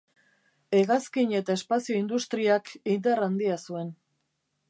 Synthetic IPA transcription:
e̞ɣaskiɲe̞t̪ae̞spasio̞ind̪ust̪ɾiakind̪arand̪iasue̞n

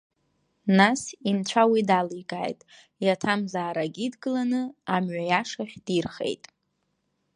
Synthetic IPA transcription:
nasint͡ɕʷʰawidalikʼa̰ːjtʼ | jatʰamzaːɾaɡʲidɡɨlanɨamɥajaʂaχʲd̥irχḛjtʼ

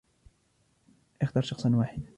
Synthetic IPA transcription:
ʔɪxt̪ɑːɾˤʃɑxsˤɑnwaːħɪd̪

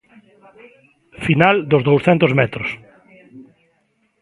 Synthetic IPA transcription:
finald̪ʊzðowsθɛnt̪ʊzmɛt̪ɾʊs

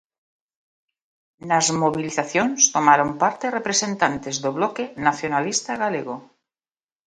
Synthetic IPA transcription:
nazmoβ̞iliθaθjonst̪omaɾo̞mpaɾt̪erepɾese̞nt̪ant̪ezðoβlokenaθjonalist̪aɣaleɣ̞o

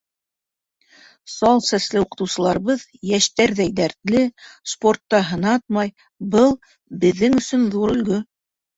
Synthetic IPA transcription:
sɑlˠsæslɘuqɤ̆t̪ɤ̆wsɤ̆lˠɑɾβɤð | jæʃt̪æɾðæjd̪æɾt̪lɘsport̪ːɑɦɤ̆nɑt̪̚mɑj | bɤlˠ | bɘ̆ðːɘŋɵ̆sɵnðuɾɵ̆lɡɵ

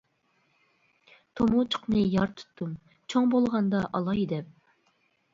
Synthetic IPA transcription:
t̪ʰomut͡ʃʰə̥qnɨjɑɾt̪ʰu̥t̪ːum | t͡ʃʰoŋbolˠʁɑnd̪ɑʔɑlˠɑjd̪ɛp̚

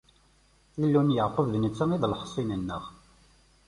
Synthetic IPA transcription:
ilːunjəʕqəvðnət͡sːəŋiðlħə̥sˤːinənːə̰ʁ

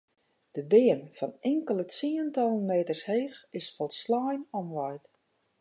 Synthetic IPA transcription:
d̥əbɪːənfɔnɪŋkəlˠəiːəntɔlˠənmeːtərsheːxɪsfɔlˠslaːjnɔmʋɔjt

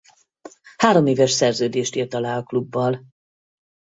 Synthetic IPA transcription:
haːɾo̞meːvɛʃsɛrzøːd̪eːʃt̪iːrt̪ɒlaːɒklubːɒl

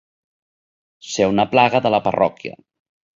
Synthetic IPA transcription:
sewnəplaɣəðələpərɔ̰kjə̰

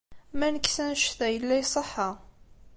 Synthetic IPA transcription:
mænəkːsænʃθæjəlːæjsˤəħːɑ

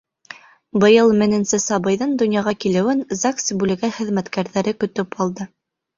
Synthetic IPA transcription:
bɤ̆jɤlˠmɘ̆nɘ̆nsɘsɑbɤ̆jðɤnd̪ɵ̆njɑʁɑkilɘ̆wɘnzaksʲibʉlɘ̆ɡæχɘ̆ðmæt̪kæɾðæɾɘkɵ̆t̪ɵpɑlˠd̪ɤ

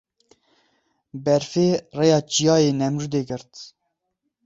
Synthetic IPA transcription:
bɛɾfeːrejɑːt͡ʃijɑːjeːnɛmɾud̪eːɡɨɾt̪

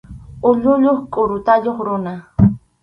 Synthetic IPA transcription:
ʊʎʊʎoχkʼoɾʊt̪aʎoχɾʊna

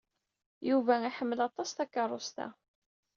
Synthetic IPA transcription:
juvæiħəmːəlɑt̪ˤɑst̪ækːɑrˤːost̪æ̰

